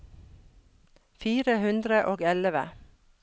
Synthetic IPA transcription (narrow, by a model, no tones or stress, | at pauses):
fiːɾəhʉnd̪ɾəʔoːɡɛləʋə̰